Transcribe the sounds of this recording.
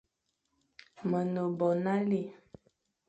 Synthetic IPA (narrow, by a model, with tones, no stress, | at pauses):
mə˨no˨bɔ˨na˦li˦˨